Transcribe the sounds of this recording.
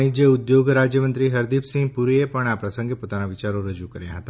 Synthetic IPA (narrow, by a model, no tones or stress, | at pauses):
ĩd͡ʒəud̪joɡɾad͡ʑjəmənt̪ɾiɦəɾd̪ipsĩŋɡpuɾiepəɳ̃apɾəsə̃ŋɡepot̪anaʋit͡ʃaɾoɾəd͡ʒukəɾja̰ɦət̪a